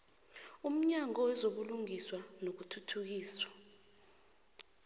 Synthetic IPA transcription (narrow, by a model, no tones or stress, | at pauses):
um̩ɲaŋɔwɛzoɓuluŋiswanok̬utʰutʰuk̬iːswa